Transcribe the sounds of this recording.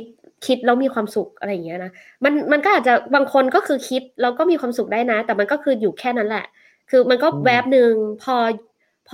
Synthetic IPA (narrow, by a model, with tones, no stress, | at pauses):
t̪̚ | kʰi˦˥t̪̚ɾa˧˥wmiː˧kʰwaː˧msu˨˩k̚ʔa̰˧ɾa˧ja˨˩ŋː˦˥ɐ˧na˦˥ | ma˧nma˧nkɔː˥˩ʔaː˨˩t̪̚t͡ɕa˨˩baː˧ŋkʰo˧nkɔː˥˩kʰɯː˧kʰi˦˥t̪̚ɾa˧wkɔː˥˩miː˧kʰwaː˧msu˨˩k̚daː˥˩jna˦˥t̪ɛː˨˩ma˧nkɔː˥˩kʰɯː˧juː˨˩kʰɛː˥˩na˦˥nlɛ̰˨˩ | kʰɯː˧ma˧nkɔː˥˩wɛ˦˥p̚nɯ˧ŋpʰɔː˧ | pʰː